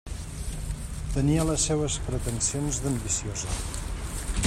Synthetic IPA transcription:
t̪əniələsːeβəspɾət̪ənsionzðəmbisiozə

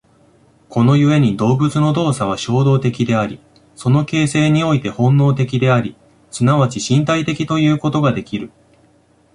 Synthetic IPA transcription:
ko̞no̞jɯ̟e̞ɲ̟id̪o̞ːbɯ̟t͡sɨno̞d̪o̞ːsaβ̞aɕo̞ːd̪o̞ːt̪e̞kʲid̪e̞aɾʲi | so̞no̞ke̞ːse̞ːɲ̟io̞it̪e̞hõ̞nːo̞ːt̪e̞k̬ʲid̪e̞aɾʲi | sɨnaβat͡ɕiɕĩnt̪ait̪e̞kʲit̪o̞jɯ̟ːko̞t̪o̞ɡad̪e̞kʲiɾɯ̟

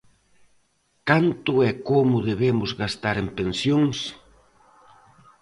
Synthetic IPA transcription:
kant̪ʊɛkomʊðeβemʊzɣast̪aɾempensjoŋs

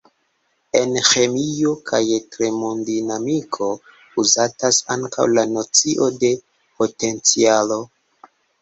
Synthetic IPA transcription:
e̞nxe̞mio̞kʰajtɾemondinamikʰo̞ | uzatasa̰ŋka̰wlano̞t͡siʔo̞de̞ | po̞te̞nt͡sialo̞

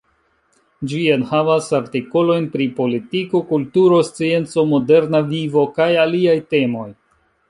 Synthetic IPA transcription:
d͡ʒienhavasaɾtiko̞lo̞jnpɾipo̞litiko̞kultuɾo̞st͡sie̞nt͡so̞mo̞de̞ɾnavivo̞kajaliajte̞mo̞j

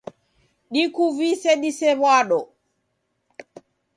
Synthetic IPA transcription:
ɗikuvisɛɗisɛβwaɗɔ

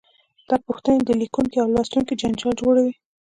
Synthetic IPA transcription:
d̪̥ɑpuxt̪aned̪əlikuŋkiawlɑst̪uŋkid͡ʒand͡ʒɑld͡ʒoɽawi

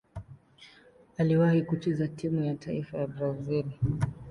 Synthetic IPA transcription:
aliwahikut͡ʃɛzatʰimujatʰaifajabɾaziɾi

